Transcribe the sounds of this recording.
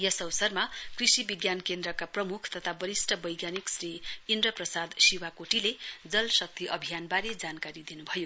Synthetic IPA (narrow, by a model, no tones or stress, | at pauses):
jʌsʌwsʌrmakrisibiɡjankend̪rʌkaprʌmukʰt̪ʌt̪ʰabʌɾisʈʰʌbʌjɡjaniksriːndrʌprʌsad̪siwakoʈiled͡zʌlsʌk̚t̪iʔʌbʱijanbaɾed͡zankaɾid̪inubʱʌjo